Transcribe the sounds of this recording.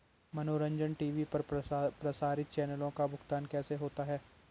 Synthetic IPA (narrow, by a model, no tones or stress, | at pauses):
mɐnoːɾə̃ɲd͡ʒənʈiːʋipɐɾpɾɐsaːɾɪt̪̚t͡ʃɛːnəlõkabʊkt̪aːnkɛːseɦoːt̪aɦɛː